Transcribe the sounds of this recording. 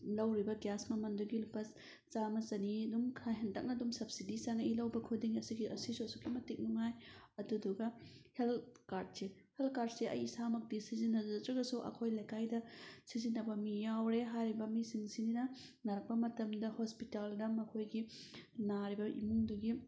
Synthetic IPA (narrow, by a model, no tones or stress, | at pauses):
lɐwɾibɐɡjasmɐmɐnduɡilupːɐs | t͡ʃamɐzɐniɐdumkʰajɦɐntɐk̚nɐdumsɐb̚sidisaŋilɐwbɐkʰudiŋɐsiɡiʔɐsisosukːimɐtik̚nuŋajɐduduɡɐhelkaɾd̚sehelkaɾd̚seɐ̰jisamɐk̚disizinːɐzɐtɾɐɡɐsuʔɐ̰kʰojlɐjkajdɐsizinːɐbɐmijawɾeɦajɾibɐmisiŋsininɐ | nɐɾɐk̚pɐmɐtɐmdɐhospitaldɐmɐkʰojɡinaɾibɐʔḭmuŋduɡi